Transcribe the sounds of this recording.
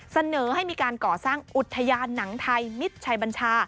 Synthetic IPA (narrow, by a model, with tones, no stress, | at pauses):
sa˧nɤː˩˦ha˥˩jmiː˧kaː˧nkɔː˨˩saː˥˩ŋʔu˨˩t̪ʰːa˧jaː˧nːa˩˦ŋt̪ʰa˧jmi˦˥t̪̚t͡ɕʰa˨˩˦jba˧nt͡ɕʰaː˧